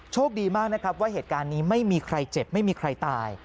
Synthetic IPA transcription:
t͡ɕʰoː˥˩k̚diː˧maː˥˩k̚na˦˥kʰɾa˦˥p̚waː˥˩ɦeː˨˩t̪̚kaː˧nːiː˦˥ma˥˩jmiː˧kʰɾa˧jt͡ɕe˨˩p̚ma˥˩jmiː˧kʰɾa˧jt̪aː˧j

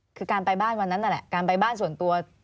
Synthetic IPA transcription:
kʰɯː˧kaː˧npa˧jbaː˥˩nwa˧nːa˦˥nːa˧˥˩lɛ˨˩ʔkaː˧npa˧jbaː˥˩ns̬u˨˩ənt̪u˧ɐ

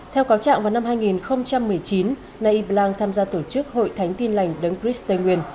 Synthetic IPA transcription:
t̪ʰɛ˧wkaː˨˦wt͡ɕa̰ː˧˨ŋva˨˩wna˧mɦaː˧jŋi˨˩nxə˧wŋ͡mt͡ɕa˧mːɨ˨˩əjt͡ɕi˨˦n | na˧ʔi˧˩ɓlaː˧ŋt̪ʰaː˧mzaː˧t̪o˧˩t͡ɕɨ˦˥k̚ho̰˧˨jt̪ʰa˨˦jŋ̟t̪i˧nla˨˩jŋ̟ɗə˨˦ŋkɾi˦˥st̪ə˧jŋwi˧˩ən

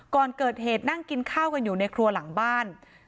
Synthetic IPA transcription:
kɔː˨˩nkɤː˨˩t̪̚heː˨˩t̪̚na˥˩ŋki˧nkʰaː˥˩wka˧njuː˨˩na˧jkʰɾu˧ɐla˩˦ŋbaː˥˩n

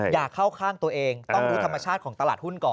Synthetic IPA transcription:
jaː˨˩kʰːa˥˩wkʰaː˥˩mt̪u˧ɐʔeː˧ŋt̪ɔ˥˩˧ɾuː˦˥t̪ʰa˧mːaː˧t͡ɕʰaː˥˩ɔː˩˦ŋt̪a˧laː˨˩t̪̚hu˥˩nkɔː˨˩n

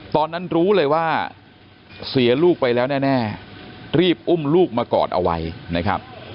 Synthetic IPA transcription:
t̪ɔː˧nːa˦˥nɾuː˦˥lɤː˧jwaː˥˩ | si˩˦ɐluː˥˩k̚pa˧jlɛː˦˥wnɛː˥˩nɛː˥˩ɾiː˥˩p̚ʔu˥˩mluː˥˩k̚maː˧kɔ̰ː˨˩t̪̚ʔa̰˧wa̰˦˧jna˦˥kʰɾa̰˦˥p̚

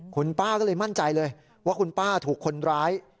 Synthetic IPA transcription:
kʰu˧npaː˥˩kɔː˥˩lɤː˧jma˥˩nt͡ɕa˧jlɤː˧j | waː˥˩kʰu˧npaː˥˩t̪ʰuː˨˩kʰːo˧nɾaː˦˥j

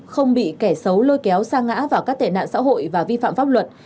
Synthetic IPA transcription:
xə˧wŋ͡mɓḭ˧˨kɛ˧˩sə˨˦wlo˧jkɛ˨˦wsaː˧ŋːa̰ː˧˥vaː˨˩wkaː˦˥k̚t̪e˨˩na̰ː˧˨nsa̰ː˧˥ɦo̰˧˨jvaː˨˩vi˧fa̰ː˧˨mfa˦˥p̚lwə˨˩t̚

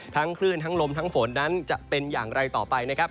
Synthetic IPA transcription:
t̪ʰa˦˥ŋkʰlɯ˥˩ənt̪ʰa˦˥ŋlo˧mt̪ʰa˦˥ŋfo˩˦nːa˦˥nt͡ɕa˨˩ʔpe˧njaː˨˩ŋɾa˧jt̪ɔː˨˩pa˧jna˦˥kʰa˦˥p̚

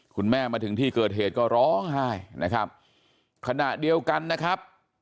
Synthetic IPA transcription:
kʰu˧nmɛː˥˩maː˧t̪ʰɯ˩˦ŋt̪ʰiː˥˩kɤː˨˩t̪̚ɦheː˨˩t̪̚kɔː˥˩ɾɔː˦˥ŋɦa˥˩jnʔa˦˥kʰɾa˦˥p̚ | kʰa˧na˨˩ʔdi˧əwka˧nːa˦˥kʰɾa˦˥p̚

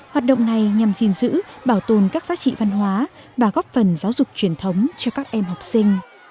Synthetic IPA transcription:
hwaː˨˩t̚ɗə̰˧˨wŋ͡mna˨˩jɲa˨˩mzi˧nzɨ̰˧˥ɓaː˧˩wt̪o˨˩nkaː˦˥k̚zaː˨˦t͡ɕḭ˧˨va˧nɦwaː˨˦ | vaː˨˩ɣɔ˦˥p̚fə˨˩nzaː˨˦wzʊ˨˩k͡p̚t͡ɕwi˧˩ənt̪ʰə˨˦wŋ͡mt͡ɕɔ˧kaː˦˥k̚ʔɛ˧mɦwk͡p̚sï˧ŋ̟

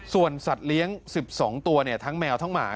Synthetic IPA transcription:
su˨˩ənsa˨˩t̪̚li˦˥əŋsi˨˩p̚sɔː˩˦ŋt̪u˧ɐni˥˩ɐt̪ʰa˦˥ŋmɛː˧wt̪ʰa˦˥˩ŋma̰ː˩˦

